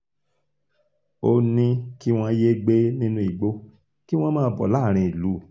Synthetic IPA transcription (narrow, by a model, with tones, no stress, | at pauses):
o˧nĩ˦ki˦w̃ɔ̃˦˧je˦ɡ͡be˦nĩ˦nũ˦i˨ɡ͡bo˧˦ | ki˦w̃ɔ̃˦mãː˦bɔ̰˨laː˦˨ɾ̃ĩ˧i˨lu˨˦˨